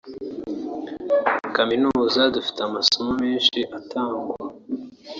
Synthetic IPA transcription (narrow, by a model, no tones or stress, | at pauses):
kaminuːzadufi̥teamasomomeːnʃiʔatʰaːŋɡwua